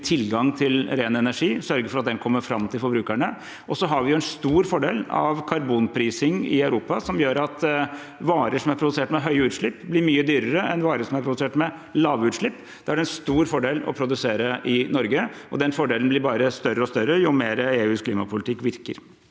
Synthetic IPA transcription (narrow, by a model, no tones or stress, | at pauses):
t̪ʰɪlɡɑŋt̪ʰɪlɾeːnɛnæʂiːsœɾɡəfɔɾɑt̪̚d̪ɛnkʰɔmːəɾfɾɑmːt̪ʰɪlfɔɾbɾʉːkæɳə | ɔsɔɦɑɾʋɪjʊɛnst̪uːɾfɔɖeːlɑ̰ʋkʰɑɾbuːnpʰɾiːsɪŋɪ̰ɑʉɾuːpɑsɔmjøːɾɑt̪ | ʋɑːɾəʂɔmæɾpʰɾʊd̪ʉseːʈmɛɦœʏʉːt̪ʂɭɪpːblɪɾmyːəd̪yːɾəɾəʔɛnʋɑːɾəʂɔmæɾpɾʊd̪ʉseːʈmɛ | lɑːʋʉːt̪ʂɭɪpː | d̪̥ɛæɖɛnst̪uːɾfɔɖeːlɔ̰pʰɾʊd̪ʉseːɾəʔɪnɔɾɡəɔd̪ɛnfɔɖeːln̩blɪɾbɑːɾəst̪œrːəɔst̪œɾːəjʊmeːɾəeːʉːskliːmɑpʰʊlɪt̪ɪkːʋɪɾkə̰ɾ